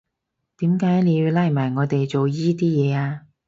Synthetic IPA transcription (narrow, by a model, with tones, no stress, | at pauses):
t̪iː˨˥mkaː˨˥jle˨˧la˧˥˩maː˨˩jŋɔː˨˧t̪e˨jt͡so˨wjiː˥t̪̬iː˥jɛː˨˧aː˧